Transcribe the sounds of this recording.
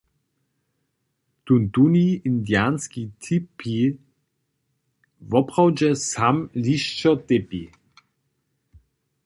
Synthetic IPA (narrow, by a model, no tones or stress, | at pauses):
t̪unt̪uniind̪jaːnskit̪ʰipʰi | vɔpʁawd͡ʒɛsamliʃt͡ʃɔt̪epi